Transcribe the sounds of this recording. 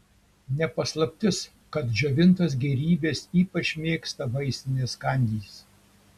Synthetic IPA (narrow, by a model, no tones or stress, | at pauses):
nʲɛpɐslˠɐpʲt̪ʲɪs | kɐt̪ʒʲoʋʲɪnt̪ɐs̬ɡʲɛɾʲiːbʲeːsiːpɐt͡ʃʲmʲeːkst̪ɐʋɐɪsʲt̪ʲɪnʲeːskɐˑnʲd̪ʲiːs